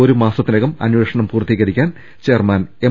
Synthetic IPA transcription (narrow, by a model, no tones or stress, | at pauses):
oɾumaːsɐt̪ːinɐɣɐmɐ̰nʋeːʂɐɳɐmpuːrt̪iːɣɐɾikʲːaːn | t͡ɕermaːne